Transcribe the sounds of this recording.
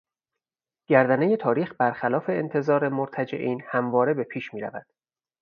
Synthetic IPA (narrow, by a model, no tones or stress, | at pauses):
ɟ̥æɾd̪æneje̞t̪ʰɒːɾiːxbæɾxælɒːfe̞ːnt̪ʰe̞zɒːɾe̞moɾt̪ʰæd͡ʒe̞̰ʔiːnhæmvɒːɾe̞be̞pʰiːʃmiːɾæ̰væd̪̥